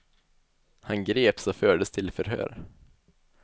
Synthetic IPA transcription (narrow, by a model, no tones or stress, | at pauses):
hanɡɾeːpsɔføːɖəst̪ʰɪlfœɾɦø̰ːɾ